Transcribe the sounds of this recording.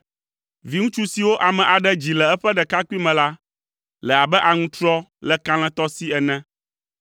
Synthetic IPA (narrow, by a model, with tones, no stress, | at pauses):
vi˨ŋũ˦t͡ʃu˦si˨wo˦ʔa˨mɛ̃˨ʔa˨ɖɛ˦d͡ʑi˨lɛ˨ɛ˦ɸɛ˦ɖɛ˨ka˦ku˦i˦mɛ̃˨la˦ | lɛ˨a˨bɛ˦ʔa˨ŋũ˦t̪ɾɔ˦lɛ˨kã˦l̃ɛ̃˦t̪ɔ˦si˦ɛ˨nɛ̃˦